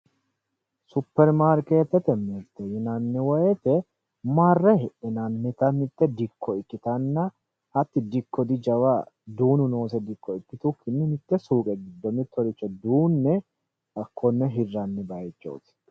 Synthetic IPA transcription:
sʊpːɛɾmaːɾkeːt̪ːɛt̪ɛmɛɾt̪ːɛjɪnɐnːɛwɔjɛt̪ɛ | maːrːɛhɪʔɛnɐnːɪt̪ɐnɪt̪ːɛd̪ɪkːɔɪkːɪt̪ɐnːɐ | ɐt̪ːɪd̪ɪkʰːɔd̪ɪd͡ʒɐwad̪uːnʊno̞ːsɛd̪ɪkːɔɪkːɪt̪ʊkʰːɪnːɪnɪt̪ːɛsuːkʼɛɡɪd̪ːɔmɪt̪ːɔɾɪt͡ʃːɔd̪uːnːɛ | ɐkːɔnːɛɦɪrːɐnːɛbɐjt͡ʃːo̰ːt̪

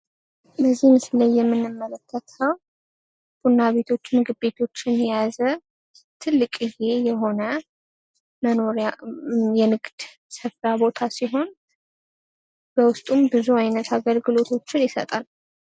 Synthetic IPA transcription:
bəzːihmɨsɨləjːɛmːɨnːɨmːələkʰːət̪ʰəw | b̥unːaβe̞t̪ʰo̞t͡ʃːmɨɡɨbe̞t̪ʰo̞t͡ʃːɪnjɛjazə | t̪ʰɨlːɨkʼɨje̞jɛɦo̞nə | məno̞ɾajɛnɨɡd̪̥ | sɨfɾabo̞t̪ʰasiɦo̞n | b̥əwʊst̪ʼumbɨzuajnət̪ʰaɡəlɡɨlo̞t̪ʰo̞t͡ʃːɪnjɪsə̰t̪ʼal

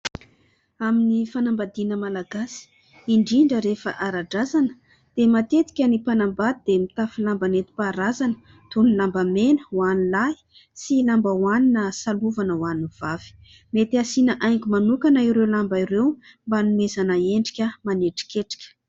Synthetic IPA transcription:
aminifanambad̪inəmalaɡasi̥ | iɳɖ͡ʐiɳɖ͡ʐəɾefə̰ʔaɾaɖ͡ʐazanə̥ | d̪̥emat̪et̪i̥kʲənipanambad̪id̪emit̪afilambanet̪i̥paɾazanə̥ | t̪unilambamenəwanilai̥ | silambawaninəsaluvanəwanuv̥avi̥ | met̪iasinəʔajŋkʲimanukanaiɾewlambaiɾew | mbanuezanaeɳɖ͡ʐi̥kʲəmaneʈ͡ʂi̥kʲeʈ͡ʂi̥kʲə̥

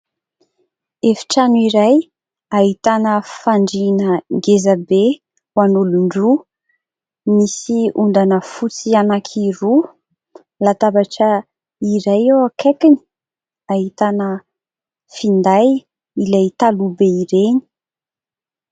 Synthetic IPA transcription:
efi̥ʈ͡ʂanuiɾaj | aɦit̪anəfaɳɖ͡ʐinəŋɡezabe | wanuluɳɖ͡ʐu | misiund̪anəfut͡sianakʰiɾu | lat̪abaʈ͡ʂə | iɾajewakʰekini̥ | aɦit̪anə | find̪aj | ilajt̪alubeiɾeni̥

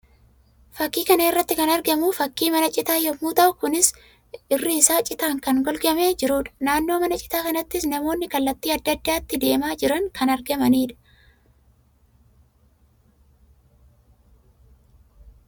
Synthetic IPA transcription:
fɐkːiːkɐnɐɪrːɐt̪ːɪkɐnɐɾɡɐmuːfɐkːiːmɐnɐt͡ʃʼɪt̪aːjɔmuːt̪ɐʔʊkʊnɪs | ɪrːɪːsaːt͡ʃʼɪt̪aːŋkɐŋɡɔlɡɐmeːd͡ʒɪɾuːᶑ̪ɐ̥naːnːo̞ːmɐnɐt͡ʃʼɪ̥t̪aːkɐnɐt̪ːɪsnɐmo̞ːnːɪkɐlːɐt̪ːiːɐd̪ːɐd̪ːaːt̪ːɪd̪e̞ːmaːd͡ʒɪɾɐŋkʰɐnɐɾɡɐmɐniːᶑɐ̥

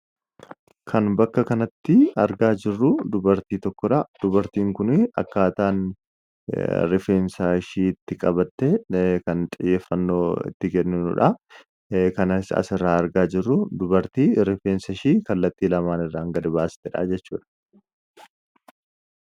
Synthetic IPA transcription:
kʰɐnbɐkːɐkɐnɐt̪ːɪɐɾɡaːd͡ʒɪrːʊd̪ʊbɐɾt̪iːt̪ɔkːɔᶑɐd̪̥ʊbɐɾt̪iːŋkʊnɪɐ̰kːaːt̪aːn | ɾɪfeːnsaʃiːɪt̪ːɪkʼɐbɐt̪ːekɐnt̪ʼɪjːeːfːɐnːo̞ːɪ̰t̪ːɪɡɛnːɪnʊ̰ᶑɐ | kɐnɐsɐ̰sɪrːaːɐɾɡaːd͡ʒɪrːʊd̪ʊbɐɾt̪iːɾɪfeːnsɐʃiːkɐlːɐt̪ːiːlɐmaːnɪrːaːŋɡɐd̪ɪbaːsɪ̥t̪ɛᶑa̰d͡ʒɛt͡ʃːuːᶑɐ̥

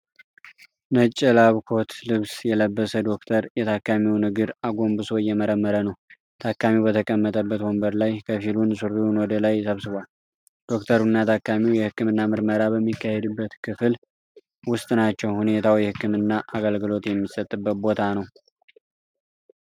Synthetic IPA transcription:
nət͡ʃʼːɛlaβkʰo̞t̪lɨβsjɛləbːəsəd̪o̞k̚t̪ʰəɾjɛt̪ʰakːamiwnɨɡɨɾaɡo̞mbɨso̞jɛməɾəmːəɾənəw | t̪ʰakːamiwbət̪ʰəkʼəmːət̪ʼəbːət̪wɔmbəɾlajkʰəfilunsuɾiwnwɔd̪əlajsəβsɨβʷal | d̪̥o̞kt̪ʰəɾunːat̪ʰakːamiwjɛhɨkːɨmɨnːamɨɾməɾabəmːikːahed̪ɨbːət̪kʰɨfl | wʊst̪ʼnat͡ʃːɛwhune̞t̪ʰawjɛhɨkʰːɨmɨnːaʔaɡəlɡɨlo̞t̪jɛmːisət̪ʼːɨbːət̪̚bo̞t̪ʰanəw

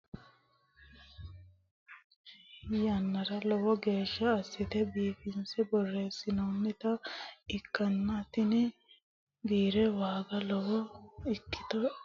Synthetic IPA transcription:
jɐnːɐɾɐlɔwɔɡe̞ːʃːɐːsːɪt̪ɛbiːfɪnsɛbɔrːe̞ːsːɪnonːɪt̪ɐɪkːɐnːɐt̪ɪnɪ | biːɾɛwaːɡɐlɔwɔɪkːɪ̥t̪ɔ

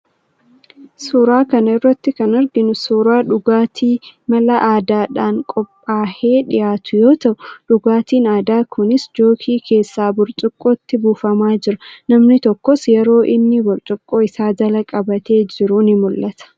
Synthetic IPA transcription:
suːɾaːkɐnɪrːɐt̪ːɪkɐnɐɾɡɪnʊsuːɾaːᶑʊɡaːt̪ʰiːmɐlɐʔaːd̪aːᶑaːŋkʼɔpʼːaːheːᶑɪjaːt̪ʊjo̞ːt̪ɐʔʊᶑʊɡaːt̪iːnaːd̪aːkʰʊnɪsd͡ʒo̞ːkʰiːkʰe̞ːsːaːbʊɾt͡ʃʼʊkʼːoːt̪ːɪbuːfɐmaːd͡ʒɪɾɐnɐmnɪt̪ɔkːɔsjɛɾo̞ːʔɪnːɪbʊɾt͡ʃʼʊkʼːo̞ːɪsaːd̪ɐlɐkʼɐbɐt̪e̞ːd͡ʒɪɾuːnɪmʊlːɐt̪ɐ̥

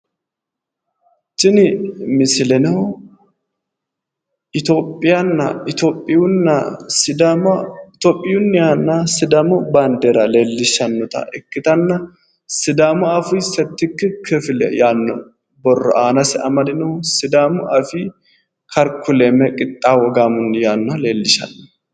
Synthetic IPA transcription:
t͡ʃɪnɪmɪsɪlɛnɐ | ɪt̪o̞ːpʼːɪjɐnːɐ̰ɪt̪opʼːɪʊnːɐsɪd̪ | t̪opʼːɪjʊnːjanːɐsɪd̪ɐmɔbɐnd̪eɾɐleːlːɪʃɐnːɔt̪ɐ̰ʔɛkːɪt̪ɐnːɐ | sɪd̪amɔɐfʊjsɛt̪ːɪkːɪkʰɛfɪlɛ̰jaːnːɔ̰ | bɔrːɔ̰ʔaːnɐsɪɐmɐd̪ɪnɛsɪd̪amʊʔɐfi | kʰɐɾkʰːʊlemɛkʼɪt̪ʼːaːwɔɡaːmʊnːjaːnːɐleːlːɪʃɐ̰nːɔ

